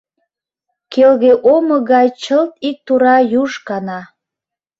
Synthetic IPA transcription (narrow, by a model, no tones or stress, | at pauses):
kelɣeʔoməɣɑjt͡ɕəlt̪ik̚t̪uɾɑjuʃkɑnɑ